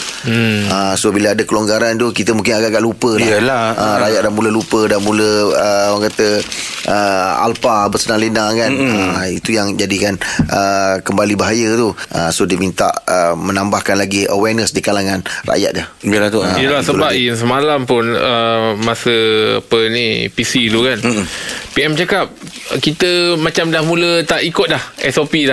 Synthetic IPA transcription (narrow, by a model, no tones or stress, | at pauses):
əsobiləadəkəloŋɡaɾant̪ukit̪əmũŋk̬ɪnaɡaʔɡaʔlupəlaəlaʔəɾajaʔ̪̚damuləlupədamuləəwaŋkat̪ə | ʔəa̰lpabəsənaŋlinakanəit̪ujaŋd͡ʒadikanʔəkəmbalibaɦajət̪uʔəsohdimint̪a̰ʔəmənambahkanlaɡiʔəwɛnəsdikalaŋanra̰ja̰t̪̚dahbilat̪oiəlahsəbap̚ins̬əmalampʊnəmasəa̰pənipisilukanpiɛmt͡ʃakap̚ | kit̪əmat͡ʃamdahmũlət̪aʔikʊt̪̚lahɛsopila